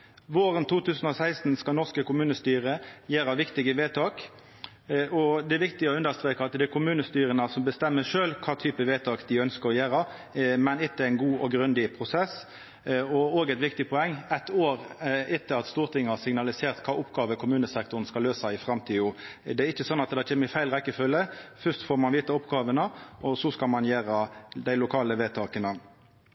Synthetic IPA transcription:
ʋoːɾənt̪ʰuːt̪ʉːsn̩ɔsæɪst̪n̩skɑnɔʁskəkʊmʉːnəst̪yːʁəjeːɾɑʋɪkt̪ɪɡəʋeːt̪ʰɑːk | ɔd̪ɛʋɪkt̪ɪɡəɔʉnd̪əst̪ʁeːkəɑt̪d̪ɛkʰʊmʉːnəst̪yːɾənəsɔmbəst̪ɛmːəʂøːlkʰɑːt̪ʰyːpəʋeːt̪ʰɑːkd̪ɪœnskəɾɔjeːɾɑ | mɛnɪt̪ːəæɪnɡuːʔɔɡɾʉnd̪ɪpʰʁʊsɛs | ɔoːɡɛɪt̪ʋɪkt̪ɪpʰɔɛŋːæt̪ʰoːɾɪt̪ʰːəɑt̪st̪uːʁt̪ɪŋːəhɑsɪŋnɑlɪseːʁt̪kʰɑːʔʊpːɡɑːʋəkʰʊmʉːnəsɛkt̪ʊɾənskɑløːsɑɪfɾɑmt̪ʰiːʊd̪ɛæɾɪçːəsɔnːɑt̪d̪ɑːt͡ʃʰɛːməɾɪfæɪlɾʁɛkːəfœlːəfœst̪foːɾmɑnʋiːt̪ɑʊpɡɑːʋənəɔsɔskɑlmɑnjæːɾɑd̪æɪlʊkʰɑːləʋeːt̪ʰɑːkənə

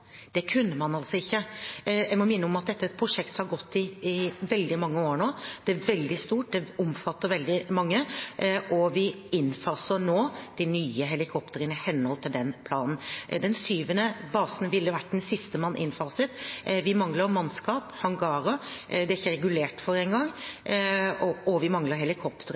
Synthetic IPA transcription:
d̪̥ɛkʰʉnːəmɑnɑlsɔɪçːəjæɪmɔmɪnːəɔmɑt̪̚d̪ɛt̪ːəɛt̪̚pʰɾʊʂɛkt̪sɔmhɑɾɡɔt̪ːɪɪʋɛld̪ɪmɑŋːəoːɾɳoːd̪̥ɛæɾʋɛld̪ɪst̪uːʈ̚d̪ɛɔmfɑt̪ːəɾʋɛld̪ɪmɑŋːəʔɔʋɪɪnfɑːsənoːd̪̥ɪnyːəɦɛlɪkʰɔpt̪əɾənɪhɛnːhɔlt̪ʰɪld̪ɛnpʰlɑːnn̩d̪ɛnsyːʋənəbɑːsnʋɪlːəʋæʈ̚ːd̪ɛnsɪst̪əmɑnːʔɪnfɑːsɪt̪ʋɪmɑŋləɾmɑnskɑːphɑŋɡɑːɾʊd̪ɛæɾɪçːəɾɛɡʉleːʈfɔɾɛŋɡɑŋː | ɔɔʋɪmɑŋləɾɦɛlɪkʰɔpt̪ʰəɾə

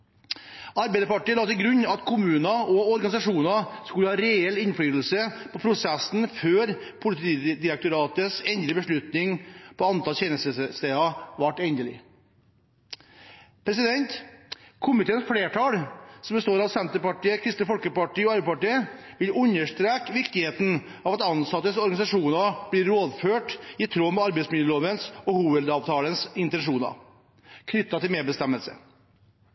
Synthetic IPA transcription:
ɑɾbæɪd̪əpɑʈiːəlɑːt̪ɪlɡɾʉnːɑt̪kʰʊmʉːnɑʔɔɔɾɡɑnɪsɑʂuːnɑskʉlːəhɑːɾɛɛlɪnfɽyːd̪l̩səpʰɔpʰɾʊsɛsn̩føːɾpʰʊlɪt̪ʰiːd̪ɪɾɛk̚t̪ʊɾɑːt̪əsɛnd̪ɾəbəʂɭʉt̪nɪŋpʰɔɑnt̪ʰɑlt̪jeːnəsəəst̪eːɑʋɑʈːɛɪnd̪əlɪ̰ | pʰɾɛsɪd̪ɛnt̪kʰʊmɪt̪ʰeːənsfleːʈʰɑːlsɔmbəst̪oːɾɑʋsɛnt̪əɾpɑʈiːəkʰɾɪst̪ənfɔlkəpɑʈiːɔæɾəpɑʈiːəʋɪlʉnəʂʈ̪ɾeːkʋɪkt̪ɪheːt̪n̩ | ɑːʋɑt̪ɑnsɑt̪ːəsɔɾɡɑɪsɑʂuːnəɾb̥lɪːɾɾoːd̪føːʈɪt̪ʰɾoːmɛɑɾbɛɪtsmɪljəloːʋənsɔhuːəld̪ɑːʋt̪ʰɑːlənsɪnt̪ɛnʂuːnɑ̰ | kʰnʏt̪ːɑt̪ɪlmebəst̪ɛmːəlsə̰

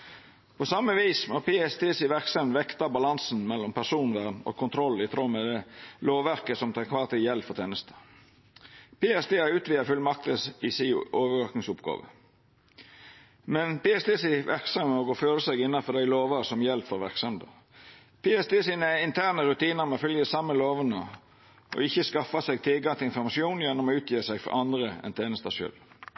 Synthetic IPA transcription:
pʰɔsɑmːəʋiːsmɔpeːɛsd̪eːsiːʋæʁksɑmnʋɛkt̪ɑbɑlɑnsnmɛlːɔmpʰæʁsuːnʋæɔ̰kʰʊnt̪ʰɾɔlːɪt̪ʰɾɔmɛd̪ɛloːʋʋæʁkəsɔmt̪ʰɑːkʰʋɑːʁt̪ɪjɛlpfɔt̪ʰeːnəst̪ʰə̥ | pʰeɛsd̪eːæʉːt̪ʋiːəfʉlmɑk̚t̪əsɪsiʔoːʋəɡɑk̪nɪŋsʊpɡɑ̰ːʋə̰ | mɛnpeːɛsd̪eːsiʋʔɪ̰ʁksɑmɔɡoːføːləsɛɡɪnːɑfɔd̪æɪloːʋɑsɔmjɛlpfɔɾʋæʁksɑmd̪ə̰ | peɛsd̪eːsiːnəɪnt̪ʰæːʁnəɾʉt̪iːnəɾmɛɔfʏljəsɑmːəloːʋənə | ʔɔ̰ːɪçəskɑfɑsɛɡ̚t̪ʰɪːɡɑt̪ʰɪɪnfɔʁmɑʃɪuːnjɛnːɔmɔʉːt̪ʰjeːsɛɡfɔ̰ɾʔɑnd̪ʁəɛ̰nt̪ʰeːnəst̪ɑʃʏ̰l

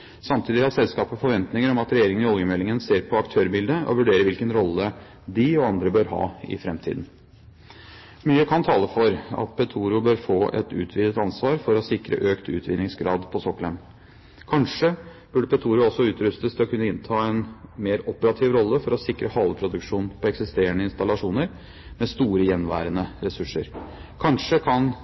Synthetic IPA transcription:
sɑmt̪ʰiːd̪ɪhɑɾsɛlskɑːpəfɔɾʋɛnt̪nɪŋəɾɔmɑt̪ɾɛjeːɾɪŋənɪɔlɡəmɛlːɪŋənseːɾpʰɔɑkt̪ʰøːɾbɪld̪əʔɔ̰ʋʉɖeːɾəɾʋɪlkənɾɔlːə | d̪ɪɔɑnd̪ɾəbøːɾhɑ̰ːɪ̰fɾɛmt̪ʰḭːd̪n̩ | myːəkʰɑnt̪ʰɑːləfɔɾɑ̰t̪̚pʰɛt̪ʰuːɾʊbøːɾfoːʔɛ̰t̪ʉ̰ːt̪ʰʋiːd̪ət̪ɑnsʋɑːɾfɔɾɔsɪkɾə̰ʔøːkt̪ʰʉ̰ːt̪ʰʋɪ̰d̪nɪŋsɡɾɑːd̪pʰɔsɔkːlɛm | kʰɑnʂə | b̥ʉɖəpɛt̪ʰuːɾʊɔsːɔʉːt̪ɾʉst̪əst̪ʰɪlɔkʰʉnːəɪnt̪ʰɑːɛnmeːɾɔpəɾɑt̪ʰiːʋɾɔlːəfɔɾɔsɪkɾəhɑləpʰɾʊd̪ʉkʂuːnpʰɔɛksɪst̪eːəɳəɪnst̪ɑlɑʂuːnəɾ | mɛst̪uːɾəjɛnʋæ̰ːɾənəɾɛsʉʂːə̰ɾkʰɑnʂəkʰɑn

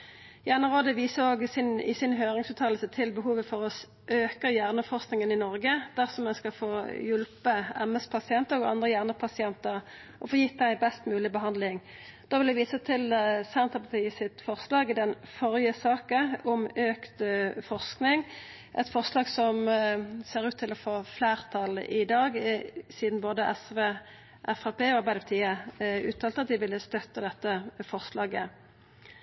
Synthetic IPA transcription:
jæːʁnəʁoːd̪əʋiːsəoːɡsɪnɪ̰sɪnɦøːʁɪŋsʉːt̪ʰɑːləsət̪ʰɪlbəɦuːʋəfɔʁɔ | ʔøːkəjæːʁnəfɔʁsknɪŋənɪnɔʁɡəd̪̥æʁsɔmɛnskɑfoːjʉlpəɛmɛspʰɑsɪɛnt̪əʁɔɡɑ̰nd̪ʁəjæːʁnəpʰɑsɪɛnt̪əʁ | ʔɔfɔːjɪt̪d̪æɪbɛst̪mʉːlɪbəɦɑnd̪lɪŋd̪̥ɑːʋɪld̪ʉʋiːsət̪ʰɪlsænt̪əpɑt̪ʰiːəsɪt̪fɔʁslɑːɡɪd̪ɛnfɔɾjəsɑːkəɔmøːkt̪fɔʁsknɪŋ | ʔɛt̪fɔʁslɑːɡsɔmseːʁʉːt̪ʰːɪlɔfoːfleːʁt̪ʰɑlɪd̪ɑːɡsiːd̪n̩boːd̪əʔɛsʋeː | ʔæfæpeːɔɑʁbæɪd̪əpʰɑt̪ʰiːəʉːt̪ʰɑːlt̪əɑt̪̚d̪ɪʋɪlːəst̪œt̪ːəd̪ɛt̪ːəfɔʁslɑːɡə

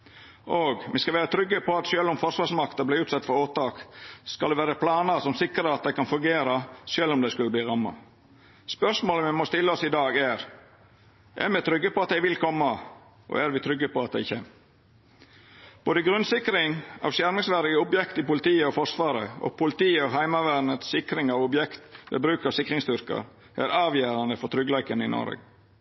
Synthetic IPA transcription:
ʔoːɡmɛskɑʋæːɾət̪ʰɾʏɡːəpɔɑt̪ʃøːlɔmfɔʂʋɑːʂmɑkt̪ɑb̪læɪʉːt̪sɑt̪ːfɔɾoːt̪ɑːkskɑld̪ɛʋæːɾəpʰlɑːnəsɔmsɪkɾəɑt̪̚d̪æɪkɑnfʉŋɡeːɾɑʃøːlʊmd̪æɪskʉlːəbliːɾɑmːɑ̰ | spœʂmoːləmɛmɔst̪ɪlːəɔsɪd̪ɑːɡæɾ | ʔæ̰ɾmæɪt̪ʰɾʏɡːəpɔɑt̪̚d̪æɪʋɪlkʰɔmːɑ | ʔɔ̰æɾʋɪt̪ʰɾʏɡːəpɔɑt̪̚d̪æɪçeːm | b̥oːd̪əɡɾʉnsɪkɾɪŋɑ̰ʋsjæɾməsʋæɾɪɡəʊpjɛkt̪ɪpʊlɪt̪ʰiːəɔfɔʂʋɑːɾəɔ̰pʰʊlɪt̪iːəɔɦæɪmɑʋæɾnət̪ssɪkɾɪŋɑʋʊbjɛkt̪d̪ɛ̰bɾʉːkɑʋsɪkːɾɪŋst̪ʏɾkɑ̰ɾ | ʔæ̰ɾɑːʋjæːɾɑnd̪əfɔɾt̪ʰɾʏɡlɑɪkənɪnɔ̰ɾə̰ɡ

